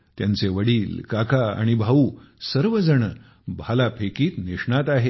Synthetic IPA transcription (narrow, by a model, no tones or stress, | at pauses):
t̪jant͡seʋəɽiːlkakaa̰ɽ̃ibʱauːsəɾʋəd͡zəɽə | bʱalapʰekiːt̪niʂɳat̪aɦe